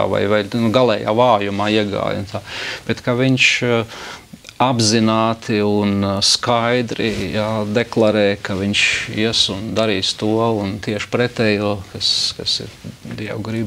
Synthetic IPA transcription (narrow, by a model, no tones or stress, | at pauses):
a̰ʋa̰jvajnuɡalˠɛja̰ːvaːjumaːiɛɡa̰ːjṵnt̪aːb̥ɛt̪kaʋiɲʃ | abzinaːt̪iunskajd̪ɾijaːd̪ɛklˠaɾɛːjkaʋiɲʃiɛsund̪aɾiːst̪uɔunt̪iɛʃpɾɛt̪ɛjuɔkaskasḭɾd̪iɛ̰wɡɾib